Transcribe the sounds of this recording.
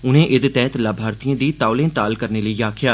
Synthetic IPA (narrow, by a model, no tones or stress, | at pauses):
ʊnẽːʔɪd̪t̪ɛ̃ːt̪laːbʱaːɾt̪ijãːd̪iːt̪aːʊlẽːt̪aːlkəɾneːləiːaːkʰjaː